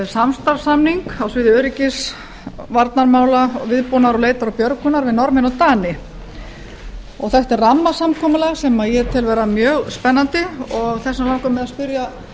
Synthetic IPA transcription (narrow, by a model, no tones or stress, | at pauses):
samst̪aɾsamniŋkawsvɪːðɪœːɾicɪs | vaɾt̪naɾmaːwlavɪðpɔnaɾɔleːjt̪aɾɔpjœɾkʏnaɾvɪðnɔɾmɪnɔt̪aːnɪ | ɔ̰ɣθɛht̪ɛrramːasamkʰɔːmʏlɛɣsɛmajɛt̪ʰɪlvɛːɾamjœːɣspɛnːant̪ɪɔɣθɛsːamlawkʏmːɛðaspʏɾja